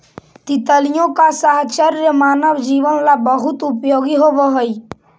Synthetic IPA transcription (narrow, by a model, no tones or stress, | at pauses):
t̪ɪt̪əlijõkasaɦt͡ʃəɾjəmaːnəʋd͡ʒiːʋənlabəɦʊt̪ʊpjoːɡiɦoʋəɦoi